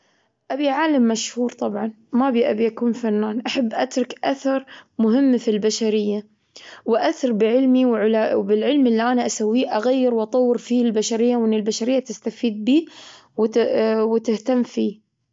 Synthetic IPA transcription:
ʔabiʕaːlamːaʃhuːɾt̪ˤɑbʕɑn | mabiʔabiʔakuːnfanːaːnʔaħabːʔat̪ɾˤɑkʔaθɑɾˤmʊɦɪmːfilbaʃaɾɪjːa | wɪʔaθɑɾˤbɪʕɪlmiwʕʊlabɪlʕɪlmʔɪlːiʔanaʔasawːiːʔaɣajːɪɾwʔɑt̪ˤɑwːɪɾfiːlbaʃaɾɪjːawʔɪnːɪlbaʃaɾɪjːat̪ɪst̪afiːd̪̚biː | wwɪt̪ɪht̪amːfiː

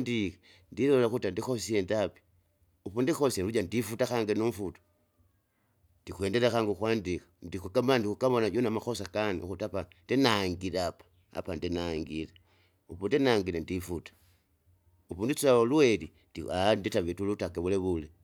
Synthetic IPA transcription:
ndika | ndilolaxutandixosiendapi̥ | upundixoseluɟandifutaxaːŋɡenuɱfuto̥ | ndikweːndelaxaːŋɡekwaːndikḁndikukamandikukaβonaɟonamaxosakanḭxutapandinaŋɡileapḁ | a̰pandinaŋɡile | upundinaŋɡilendifutḁ | upundit͡saolueli | dianditaβitulutakeβuleβule

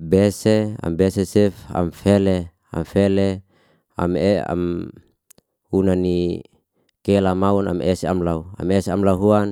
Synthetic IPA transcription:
bɛsea̰mbɛsesɛfa̰mfele | a̰mfele | a̰mea̰m | unani | kelamauna̰meseamlaua̰mɛseamlaɦuan

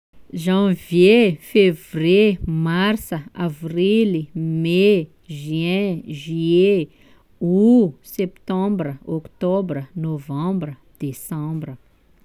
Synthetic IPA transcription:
ʒãvjefevremarsəavrilime | ʒɛ̃ʒɥye | usɛpt̪ɑ̃bɾəɔkt̪ɔbɾənovãbɾə | d̪̥esãmbɾə

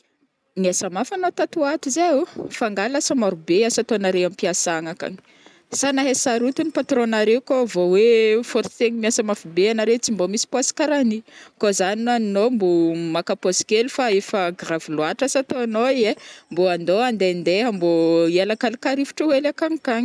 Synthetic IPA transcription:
miasamafanot̪at̪uat̪uzaufaŋɡalasamaɾubeasat̪onaɾeamipiasaŋaka̰ni̥ | sanaɦesaɾut̪unipat̪ronaɾewkovowefoɾt̪eŋimiasamafibeanaɾet͡simbomisi̥pasi̥kaɾanikozaninaninombomakaposi̥kelufaefəɡravuluaʈ͡ʂasat̪oanoiemboand̪oand̪end̪eamboielakalikaɾifi̥ʈ͡ʂəwelakaŋikaɲi

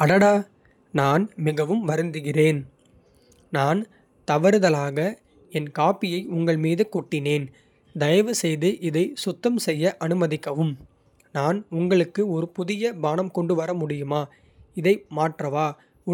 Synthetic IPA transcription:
ɐɽɐɽaː | naːnmɪɣɐʋɯmʋɐɾɯnd̪ɯɣɪreːn | naːn | t̪ɐʋɐɾɯðɐlaːɣɐ | ɛnkaːpɪjɐɪʊŋɡɐɭmiːðɯkuːʈːɪneːn | d̪ɐjɐʋɯsɛjðɯʔɪðɐɪsʊt̪ːɐmsɛjːɐʔɐnɯmɐðɪkːɐʋɯm | naːnʊŋɡɐɭɯkːɯɔɾɯpʊðɪjɐbaːnɐmkɔɳɖɯʋɐɾɐmʊɽɪjɯmaː | ɪðɐɪmaːʈrɐʋaː

